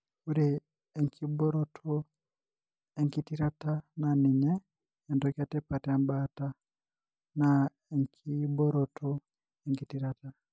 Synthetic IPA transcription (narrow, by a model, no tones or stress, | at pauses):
kuɾi | eŋkʰibɔɾotʰo | eŋkitiɾatananiɲɛː | ndokatɛpatiambata | na | eŋkʰibɔɾɔtʰɔ | eŋkitiɾata